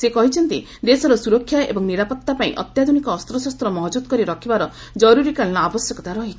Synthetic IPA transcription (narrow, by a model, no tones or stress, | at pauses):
sekɔɦit͡ʃʰɔnt̪i | d̪esɔɾɔsuɾɔkʰːjaḛbɔŋniɾapɔt̪ːapaḭ̃ʔɔ̰t̪jad̪ʱunikɔːst̪ɾɔsɔst̪ɾɔmɔɦd͡ʒud̪kɔɾiɾɔkʰibaɾɔ | d͡ʒɔɾuɾikalnɔabɔsjɔkɔt̪aɾɔɦi